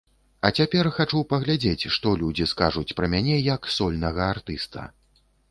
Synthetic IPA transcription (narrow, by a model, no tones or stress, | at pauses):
ɐt͡sʲapʲɛrxat͡ʂupɐɣlʲad͡zʲet͡sʲʂt̪ɔlʲud͡zʲiskaʐut͡sʲpɾɐmʲanʲɛjɐksɔlʲnɐɣɐart̪ɨst̪ɐ̰